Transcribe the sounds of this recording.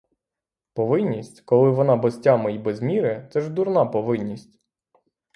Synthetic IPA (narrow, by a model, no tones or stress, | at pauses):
pɔʋɪnʲːisʲtʲkɔlˠɪʋɔnɑbɔsʲtʲamɐibɛzmʲiɾɛt̪sɛʒd̪uɾnɑpɔʋɪnʲːisʲtʲ